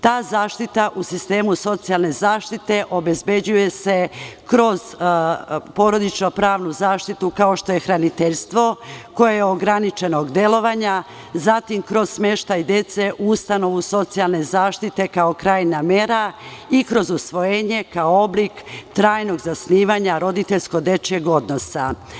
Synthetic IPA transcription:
t̪aːzaːʃt̪it̪aʔusist̪e̞ːmuso̞t̪sialˠne̞zaːʃt̪it̪e̞ʔo̞be̞zbe̞d͡ʑuje̞se̞kɾo̞z̥ | po̞ɾo̞d̪it͡ʃnopɾaːʋnuzaːʃt̪it̪ukao̞ʃt̪o̞je̞xɾanit̪eʎst̪ʋo̞ko̞jejeoɡɾanit͡ʃe̞noɡd̪e̞lo̞ʋaɲa | zat̪imkɾo̞zsme̞ʃt̪ajd̪e̞t̪se̞ʔuust̪ano̞ʋuso̞t̪sialˠne̞zaːʃt̪it̪e̞kao̞kɾaːjname̞ɾaikɾo̞zusʋo̞jeːɲe̞kaooblikt̪ɾaːjno̞ɡzasniːʋaɲaɾo̞d̪it̪eʎʲsko̞d̪e̞t͡ʃeɡo̞d̪no̞sa̰

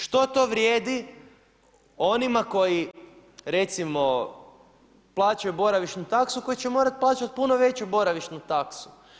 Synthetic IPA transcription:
ʃt̪o̞t̪o̞ʋɾjeːd̪i | o̞nimako̞ji | ɾe̞t̪simo̞ | plˠaːt͡ʃajubo̞ɾaʋiʃnut̪aksuko̞jit͡ɕemo̞ːɾat̪̚plˠaːt͡ʃat̪̚punoʋe̞t͡ɕubo̞ɾaʋiʃnut̪aksu̥

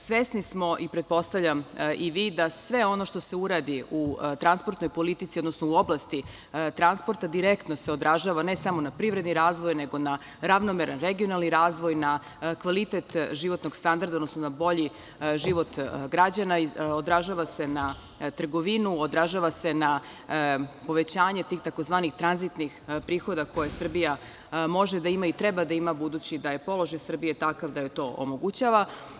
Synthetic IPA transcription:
sʋesnismo̞ʔipɾet̪̚po̞st̪aʋʎʲamʔiʋid̪asʋe̞o̞no̞ʃt̪o̞seuɾad̪iut̪ɾanspo̞ɾt̪nojpo̞lit̪it̪sio̞d̪nosnouoblˠast̪i | t̪ɾanspo̞ɾt̪ad̪iɾekt̪no̞seo̞d̪ɾaʒaːʋane̞samo̞napɾiʋɾed̪niɾaːzʋo̞jne̞ɡo̞na | ɾaʋnomeɾanɾeɡio̞nalniɾaːzʋojna | kʋalit̪et̪ʒiʋo̞t̪no̞ɡst̪and̪aɾd̪aod̪nosnonabo̞ʎi | ʒiʋo̞t̪ɡɾad͡ʑanaiod̪ɾaʒaːʋase̞na | t̪r̩ɡoʋinuod̪ɾaʒaːʋase̞na | po̞ʋet͡ɕaːɲe̞t̪iːxt̪ako̞zʋaːnixt̪ɾanzit̪nixpɾiːxo̞d̪akʰo̞jesr̩bija | mo̞ʒed̪aimait̪ɾebad̪aimabud̪uːt͡ɕid̪aje̞po̞lˠo̞ʒajsr̩bijet̪akaʋd̪ajet̪o̞ːʔo̰mo̞ɡut͡ɕaːʋa

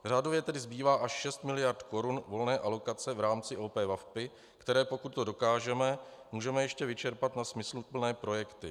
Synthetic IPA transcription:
raːdo̞vjɛt̪ɛdɪzbiːvaːʔaʃʃɛst̪mɪlɪjaɾt̪ko̞ɾunvo̞lnɛːʔalo̞kat͡sɛvɾaːmt͡sɪʔoːpɛːvafpɪ | kt̪ɛɾɛːpo̞kut̪t̪ːodo̞kaːʒɛmɛ | muːʒɛmɛjɛʃcɛvɪt͡ʃɛɾpat̪nasmɪslupl̩nɛːpɾo̞jɛkt̪ɪ̰

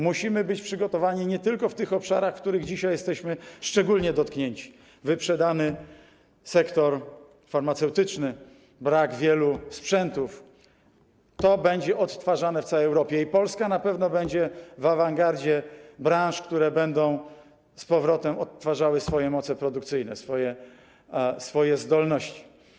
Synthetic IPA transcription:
muɕimɘbɘt͡ɕpʂɘɡɔt̪ɔvaɲiɲɛt̪ɘlkɔft̪ɘxɔpʂa̰ɾaxfkt̪uɾɘɣd͡ʑiɕajɛst̪ɛɕmɘʂt͡ʂɛɡulɲɛd̪ɔt̪kɲeɲt͡ɕi̥ | vɘpʂɛd̪anɘ | sɛkt̪ɔɾ | faɾmat̪sɛwt̪ɘt͡ʂnɘ | bɾaɡvʲjɛluspʂɛnt̪uf | t̪ɔbɛɲd͡ʑɛʔɔt̪ːfaʐanɛft̪sawɛjɛwɾɔpʲjɛipɔlskanapɛvnɔbɛɲd͡ʑɛvavaŋɡaɾd͡ʑɛbɾãʂkt̪uɾɛbɛnd̪ɔ̃w̃ | spɔvɾɔt̪ɛmɔt̪ːfaʐawɘsfɔjɛmɔt̪sɛpɾɔd̪ukt̪sɘjnɛ̰sfɔjɛ | sfɔjɛzd̪ɔlnɔɕt͡ɕi̥

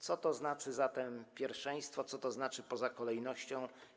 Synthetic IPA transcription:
t̪sɔt̪ɔznat͡ʂɘzat̪ɛmpʲjɛɾfʂɛ̃j̃st̪fɔt̪sɔt̪ɔznat͡ʂɘpɔzakɔlɛjnɔɕt͡ɕɔ̃w̃

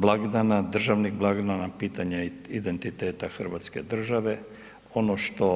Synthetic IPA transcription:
blˠaɡd̪anad̪r̩ʒaʋnixblˠaɡd̪anapiːt̪aɲaid̪ent̪it̪eːt̪axr̩ʋat̪ske̞̰d̪r̩ʒaʋe̞ | o̞noʃt̪o̞

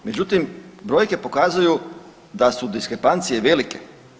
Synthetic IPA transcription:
me̞d͡ʑut̪imbɾo̞jke̞po̞kaːzuju | d̪asud̪iskɾepant̪sije̞ʋe̞like̞

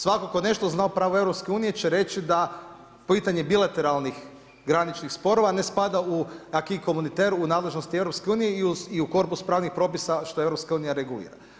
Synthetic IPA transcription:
sʋakokone̞ʃt̪o̞znaopɾaːʋoe̞ʋɾopske̞uːnije̞t͡ʃe̞ɾe̞t͡ʃid̪a | pit̪aɲebilˠat̪e̞ɾalnix | ɡɾanit͡ʃnixspo̞ɾo̞ʋane̞spad̪auakiko̞munit̪e̞ɾuːnaːd̪leʒno̞st̪ieʋɾo̞pske̞uːnijeiuiuko̞ɾpuspɾaːʋnixpɾo̞pisaʃt̪o̞e̞ʋɾopskauːnijaɾe̞ɡulḭːɾa̰

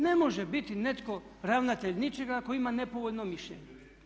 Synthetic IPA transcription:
nemo̞ʒebit̪inet̪ko̞ | ɾaʋnat̪eʎnit͡ʃeɡakoimanepoʋoʎnomiʃʎḛɲe

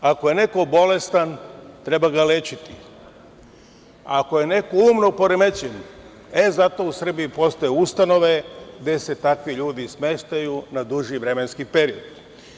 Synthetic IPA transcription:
ako̞je̞ne̞ko̞bo̞le̞st̪ant̪ɾe̞baɡalet͡ɕit̪i | ako̞je̞ne̞koumnopo̞ɾemet͡ɕen | ezat̪o̞usr̩biipo̞st̪ojeust̪ano̞ʋe̞ɡd̪e̞se̞t̪akʋiʎuːd̪isme̞ʃt̪ajunad̪uʒiʋɾe̞me̞nskipeɾio̞d̪̥

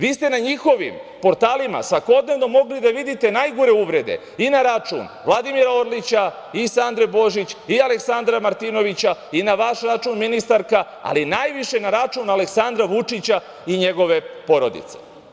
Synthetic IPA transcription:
ʋiːst̪enaɲixo̞ʋḭmpo̞ɾt̪aːlima̰sʋako̞d̪ne̞ʋno̞mo̞ɡlid̪aʋid̪it̪e̞najɡoɾe̞uʋɾe̞d̪e̞̰ | inaɾat͡ʃṵnʋlˠad̪imiɾaoɾlit͡ɕa | isand̪ɾebo̞ʒit͡ɕiale̞ksand̪ɾamaɾt̪ino̞ʋit͡ɕainaʋaʃɾat͡ʃunminist̪aɾka | a̰linajʋiʃe̞naɾat͡ʃunaleksand̪ɾaʋut͡ʃit͡ɕa | iɲe̞ɡo̞ʋe̞po̞ɾo̞d̪ḭt̪se̞̥̰

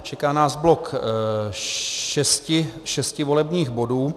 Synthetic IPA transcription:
t͡ʃɛkaːnaːzblo̞k | ʃɛscɪʃɛscɪvo̞lɛbɲiːɣbo̞duː

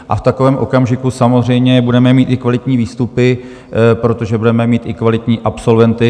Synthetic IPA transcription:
ʔa̰ft̪ako̞vɛːmʔo̞kamʒɪkusamo̞zr̝ɛjmɲɛbudɛmɛmiːt̪ʔɪkvalɪt̪ɲiːviːst̪upɪ | pɾo̞t̪o̞ʒɛbudɛmɛmiːt̪ɪkvalɪt̪ɲiːʔapso̞lvɛnt̪ɪ

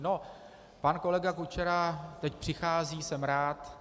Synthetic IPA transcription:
no̞ | panko̞lɛɡakut͡ʃɛɾat̪ɛc̚pr̥ɪxaːziːsɛmɾaːt̪

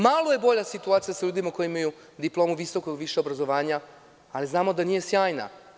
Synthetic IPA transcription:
malˠoje̞bo̞ʎasit̪uaːt̪ijasaʎuːd̪imakojimaju | d̪iplo̞ːmuʋiso̞koɡʋiʃeobɾazo̞ʋaːɲaː | liznaːmo̞d̪anije̞sjaːjna̰

